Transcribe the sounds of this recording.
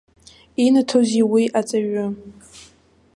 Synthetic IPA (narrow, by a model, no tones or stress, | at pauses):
inatʰoziwiʔat͡sʼaɥʊ